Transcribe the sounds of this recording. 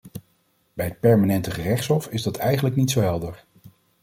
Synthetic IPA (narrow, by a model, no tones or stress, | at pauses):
bɛjət̚pɛɹmanɛntəχərɛχtsɦɔfɪzdɑtɛjχənləknitsowɦɛlˠdəɹ